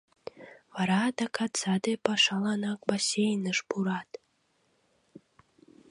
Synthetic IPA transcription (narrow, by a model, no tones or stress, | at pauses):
vɑɾɑd̪ɑkʰɑt̪sɑd̪epɑʃɑlˠɑnɑk̚basʲejnəʃpuɾɑt̪